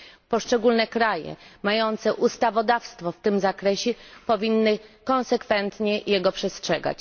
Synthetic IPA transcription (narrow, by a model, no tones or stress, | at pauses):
pɔʂt͡ʂɛɡulnɛkɾajɛ̰majɔnt̪sɛʔust̪avɔd̪afst̪fɔft̪ɘmzakɾɛɕɛpɔvʲinːɘkɔnsɛkfɛnt̪ɲɛjɛɡɔpʂɛstʂɛɡa̰t͡ɕ